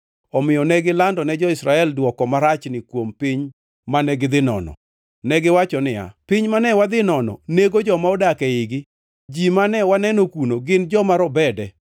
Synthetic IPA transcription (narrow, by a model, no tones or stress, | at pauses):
ɔmɪjɔnɛɡɪlandɔnɛd͡ʒɔɪsɾaɛldwɔkɔmaɾat͡ʃnɪkwompɪɲ | manɛɡɪd̪ɪnɔ̰nɔ̰ | nɛɡɪwat͡ʃɔnɪa̰pɪɲmanɛwad̪ɪnɔnɔ̰neɡod͡ʒɔmaɔdakɛɪɡɪ | d͡ʒimanɛwanɛnokunoɡɪnd͡ʒɔmaɾɔbɛdɛ